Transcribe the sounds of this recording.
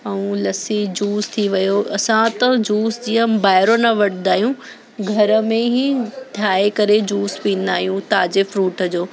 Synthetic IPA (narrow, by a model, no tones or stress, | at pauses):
ɐũlɐsid͡ʑuːst̪ʰiʋɐjoɐsãt̪ɐd͡ʑuːsd͡ʑijə̃baːɦɪɾonɐʋɐʈɪ̃nd̪aːɦijũ | ɡʱɐɾəmẽɦĩt̪ʰjaːekɐɾed͡ʑuːspĩːn̆d̪aːɦijũt̪aːd͡ʑefɾuːʈəd͡ʑoː